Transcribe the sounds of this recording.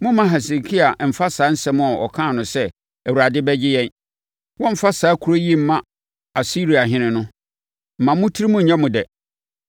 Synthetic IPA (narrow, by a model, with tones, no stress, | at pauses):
mʊ̃˦mã˦ɦɛ˨s̬e˨kʰi˦a˨m̩˨fa˦saː˨˦n̩˦sɛ˦mʊ̃˦ɔ˨ɔ̰˨kʰã˦˨nʊ̃˨sɛ˦ | æ˨wu˨ɾa˨dɪ˦bɛ˦d͡ʑɪ˦jɛ̃˦n | wɔ̃˦m̩˨fa˦saː˨˦kʰu˨ɾo˦ji˦m̩˨mã˦ | a˨si˦ɾi˨a˨ɦɪ̃˦nɪ̃˨nʊ̃˦ | m̩˨mã˨mʊ̃˦tʰi˦ɾi˦mʊ̃˦ɲ̩˨ɲã˦mʊ̃˨dɛ˨